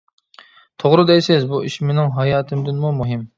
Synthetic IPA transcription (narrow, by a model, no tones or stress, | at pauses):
t̪ʰoʁɾɨd̪ɛjsɪzbuiʃimɪnɪŋɦɑjɑːt̪ʰɨmd̪ɪnmumuɦɪm